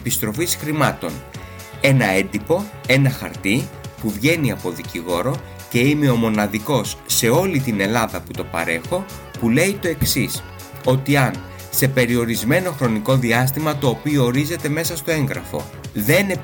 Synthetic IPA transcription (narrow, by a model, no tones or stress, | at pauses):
pist̪ɾo̞fisxɾimɐt̪o̞̰n | e̞nɐe̞nd̪ipo̞e̞nɐxɐ̰ɾt̪ipuvʝe̞niɐpo̞ðiciɣo̞ɾo̞ | ce̞ime̞o̞mo̞nɐðiko̞sːe̞o̞lit̪ine̞lɐðɐput̪o̞pɐ̰ɾe̞xo̞ | pule̞it̪o̞e̞ksis | o̞t̪iɐn | se̞pe̞ɾio̞ɾizme̞no̞xɾo̞niko̞ðiɐs̬t̪imɐt̪o̞ːpioːɾize̞t̪e̞me̞sɐst̪o̞e̞ŋɣɾɐfo̞̰ | ðe̞ne